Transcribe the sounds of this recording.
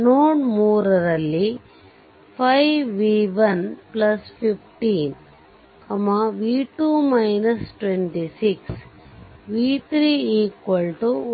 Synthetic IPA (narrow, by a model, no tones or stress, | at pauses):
noːɳmuːɾɐɾɐlːi | pʰɐjʋiːʋɐnplɐspʰipʰʈiːn | ɐmɐʋiːʈuːmɐjnɐsʈʋeɳʈisiks | ʋiːt̪ɾiːiːkʋɐlʈu